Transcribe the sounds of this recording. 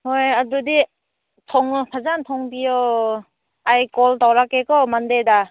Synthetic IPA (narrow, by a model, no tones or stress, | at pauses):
hojadudi | tʰɔŋpʰazantʰɔŋbijɔ | ajkɔltawɾakekɔmandejda